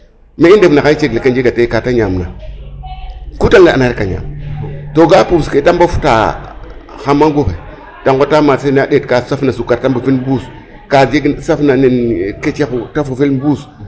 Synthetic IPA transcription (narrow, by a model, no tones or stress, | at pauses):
meidefnaait͡ʃeɡlekand͡ʒeɡatekataɲamna | kutaŋɡaaaɾikaɲa̰mtoɡapusketambafu̥ta̰ | xamːaŋɡoxe | taŋɡotamasenadetkasafnasukaɾtambafinbus | kad͡ʒeɡsafnanenket͡ʃexutafufelbus